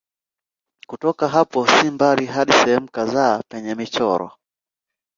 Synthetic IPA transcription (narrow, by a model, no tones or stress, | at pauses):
kutɔkaɦapɔsimbaɾiɦaɗisɛhɛmukazaːpɛɲɛmit͡ʃɔɾɔ̰